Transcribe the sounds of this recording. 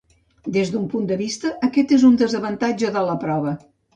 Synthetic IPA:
d̪ezðumpund̪əβist̪əʔəkɛt̪ezund̪əzəβənt̪ad͡ʒəðələpɾɔβə

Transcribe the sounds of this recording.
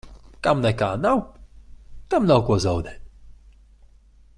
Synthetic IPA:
kamnɛkanaw | kamnawkwɔzɔwd̪ɛ

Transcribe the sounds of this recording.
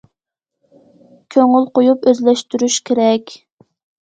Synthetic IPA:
kʲʰøŋylqojupøzlɛʃt̪yɾyʃkʲʰeɾɛkʲ

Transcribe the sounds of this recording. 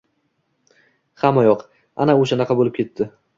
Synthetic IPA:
χamajɒq | anaoʃanɑqʰɑbolɪp̚kʲʰe̞t̪ʰːɪ

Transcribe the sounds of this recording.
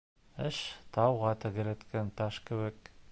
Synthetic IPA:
ɘʃt̪ɑwʁɑt̪ɘ̆ɡɘ̆ɾɘ̆t̪kʰænt̪ɑʃkɘ̆βɘ̆k̚

